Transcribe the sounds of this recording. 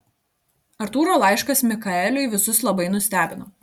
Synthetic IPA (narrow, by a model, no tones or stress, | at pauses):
ɐɾt̪uːɾoːlˠɑˑɪʃkɐsmʲɪkɐɛlʲʊɪʋʲɪsʊslˠɐbɐɪnʊsʲt̪ʲæːbʲɪnoː